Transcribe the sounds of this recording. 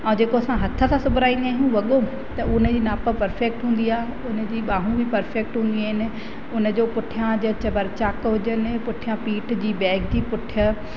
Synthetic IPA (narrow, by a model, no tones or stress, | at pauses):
ɛ̃ːd͡ʑeːkoɐsãɦɐt̪ʰə̆t̪ʰãsʊbʱɾaːĩːnd̪iaːɦijũʋɐɠo | t̪ɐʔʊnə̆d͡ʑiːnaːpə̆pɐɾfeːk̚ʈɦũːn̆d̪iaːɦe | ʊnə̆d͡ʑiːɓaːɦũbɪpɐɾfeːk̚ʈɦũːnd̪iaːɦɪnɪ̆ | ʊnə̆d͡ʑoːpʊʈʰijãd͡ʑɐt͡ɕɐbɐɾt͡ɕaːkɦʊd͡ʑənɪ̆pʊʈʰijãpiːʈʰd͡ʑiːbɛːɡ̚d͡ʑiːpʊʈʰijə